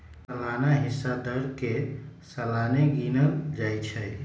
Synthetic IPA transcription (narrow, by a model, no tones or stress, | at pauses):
əlanaɦisːad̪əɾkesəlaneɡinəd͡ʒajt͡ʃʰɛ